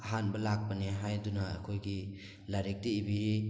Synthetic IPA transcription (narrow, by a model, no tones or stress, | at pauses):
aɦanbɐlak̚paneɦajduna̰ːkʰojɡi | laɾik̚diːbiɦi